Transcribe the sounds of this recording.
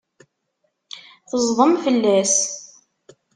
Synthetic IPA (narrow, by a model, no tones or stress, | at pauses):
θəzˤðˤəmfəlːæs